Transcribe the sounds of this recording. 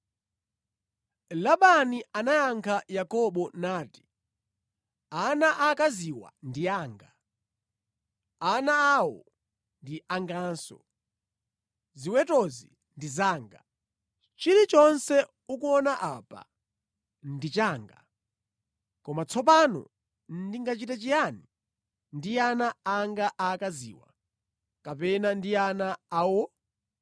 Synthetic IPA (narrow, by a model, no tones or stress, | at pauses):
laɓanianajaŋkʰajakɔɓɔnaːti̥ | anaʔakaziwa̰ndiaːŋɡa | anaːwɔ̰ | ndiʔaŋɡaːnsɔ̰ | ziwɛtɔzḭ | ndizaːŋɡa | t͡ʃiɾit͡ʃɔnsɛ | ukuɔnaʔapa̰ | ndit͡ʃaːŋɡa | kɔmat͡sʰɔp̬anɔ̰ | ndiŋɡat͡ʃitat͡ʃijani | ndianaːŋɡaʔakazḭːwa̰ | kapɛnandianaːwɔ